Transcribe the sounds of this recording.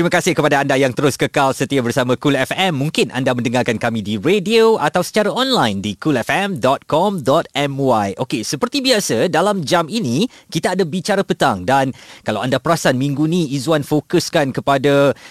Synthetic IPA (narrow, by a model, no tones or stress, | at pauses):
t̪ɾimaə̃kasɪhkəpadaːndajaŋt̪əɾʊskəkalsət̪iabərsamãkulɛfɛmːũŋkɪnʔa̰ndamə̃ndəŋarkankamĩdiɾedioʔat̪awsə̥t͡ʃaɾaɔnlajndikulɛfɛmdɔt̪̚kɔmdɔt̪̚ɛmwajʔokesəpərt̪ibiasədalamd͡ʒaminĩkit̪aːdabit͡ʃaɾapət̪aŋdankalawandapəɾasanmĩŋɡunĩizuanfokəskankəpada